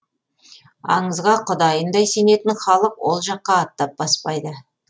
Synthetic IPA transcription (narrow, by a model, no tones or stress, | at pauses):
ɑ̰ɴəzʁɑqʰʊd̪ɑjənd̪ɑjse̞ne̞t̪ɪnχɑlˠəqwo̞lˠʒɑqːɑːt̪ːɑp̚b̥ɑspɑjd̪ə